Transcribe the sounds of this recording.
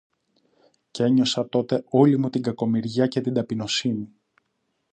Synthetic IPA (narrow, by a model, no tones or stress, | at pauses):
ce̞ɲo̞sɐt̪o̞t̪e̞o̞limut̪iŋɡɐko̞miɾʝɐce̞t̪id̪ɐpino̞sini